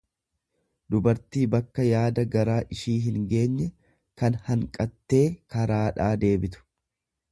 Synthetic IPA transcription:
d̪ʊbɐɾt̪iːbɐkːɐjaːd̪ɐɡɐɾaːʔɪʃiːɦɪŋɡe̞ːɲːɛ | kɐnhɐŋkʼɐt̪ːe̞ːkɐɾaːᶑaːd̪e̞ːbɪt̪ʊ̥

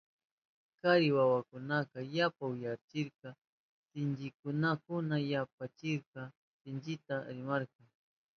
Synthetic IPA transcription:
kaɾɪwawakʊnakɑjapawɪjat͡ʃɪɾqɑ | sɪnd͡ʒɪkʊnakʊnajapat͡ʃɪɾqɑ | sɪnt͡ʃɪt̪aɾɪmaɾqɑŋ

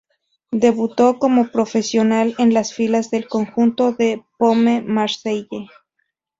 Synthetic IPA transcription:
d̪e̞βut̪o̞ko̞mo̞pɾo̞fe̞sjo̞nale̞nlasfilazðe̞lko̞ŋxunt̪o̞ðe̞pomemaɾsejʝe

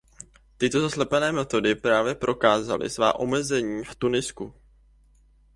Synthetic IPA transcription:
t̪ɪt̪o̞zaslɛpɛnɛːmɛt̪o̞dɪpɾaːvjɛpɾʔo̞kaːza̰lɪ̰sva̰ːʔo̞mɛzɛɲiːft̪unɪsku

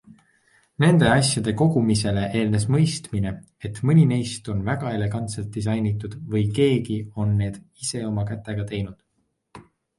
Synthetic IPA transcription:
ne̞nd̪e̞ɑsʲjɑd̪̥e̞ko̞ɡ̥umise̞le̞ʔe̞ːlne̞smɤ̞jst̪mine̞ | et̪mɯnʲine̞jst̪o̞nvæɡ̥ɑe̞le̞ɡ̥ɑnt̪se̞lt̪̚d̪̥is̬ɑjnit̪ːˑud̪̥vɯjke̞ːɡio̞nːe̞ːd̪̥ | ise̞o̞mɑkæt̪ːˑe̞ɡ̥ɑt̪e̞jnud̪̥

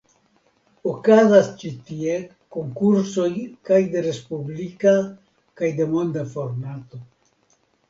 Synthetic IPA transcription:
okazast͡ʃitie̞ | ko̞ŋkuɾso̞jkajde̞ɾe̞spublika | kajde̞mo̞nd̪afo̞ɾmato̞

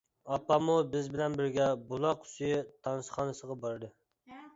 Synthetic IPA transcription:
ɑpːɑmubɪzbɪlɛnbɪɾɡʲɛbolˠɑqʊ̥sjɪt̪ʰɑnsχɑnɨsəʁɑbɑɾd̪ɨ

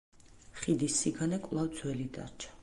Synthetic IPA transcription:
χid̪isːiɡanɛkʼwlˠawd̪zwɛlid̪a̰ɾt͡ʃʰḁ

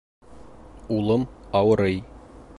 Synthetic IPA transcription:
ulˠɤmɒwɤ̆ɾɤj

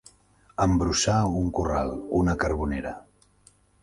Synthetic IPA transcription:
əmbɾusauŋkura̰lˠunəkəɾβuneɾə

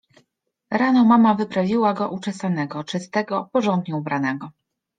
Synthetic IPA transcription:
ɾanɔmamavɘpɾavʲiwaɡɔʔut͡ʂɛsanɛɡɔt͡ʂɘst̪ɛɡɔpɔʐɔnd̪ɲuubɾanɛɡɔ

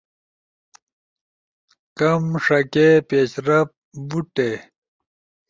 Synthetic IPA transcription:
kɐmʂɐkepeːɕɾɐp̚buʈe

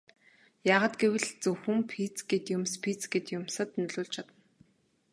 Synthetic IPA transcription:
jaːʁaːt̪ɡewɘ̆ɮt͡sɵwxɵ̆ɘ̆mpʰit͡sɡet̪jʊmspʰit͡sɡet̪jʊmsə̆t̪nɵɮʊːɮt͡ɕʰat̪ə̆n

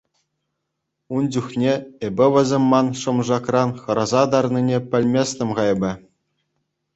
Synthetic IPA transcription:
und͡ʑuχnʲeebʲɘ̆ʋʲɘ̆zʲemʲːɑnʂɤ̆mʐɑkrɑnχɤ̆ɾɑzɑd̪ɑrninʲepʲɘ̆lʲmʲesʲnʲɘ̆mʁɑjbʲɘ̆

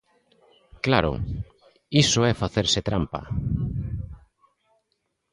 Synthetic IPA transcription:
klaɾʊ̰ | isʊɛfaθeɾset̪ɾampa̰

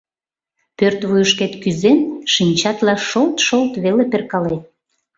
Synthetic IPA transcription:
pørt̪βujəʃket̪kyzenʃinʲt͡ɕɑt̪lɑʃolt̪ʃolt̪βeleperkɑlet̪̚

